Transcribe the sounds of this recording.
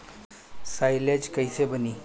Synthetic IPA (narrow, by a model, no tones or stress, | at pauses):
sajled͡ʑkəjsebəni